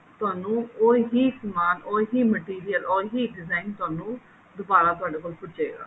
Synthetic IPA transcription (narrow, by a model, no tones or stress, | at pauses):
t̪ʊaːnũːoːɦiːkəmaːnoːɦiːməʈiːɾɪjəlʔoːɦiːɖɪzaːɪnt̪ʊaːnũː | d̪ʊbaːɾaːt̪ʊaːɖeːkoːlpʊʈt͡ʃḛːɡa̰ː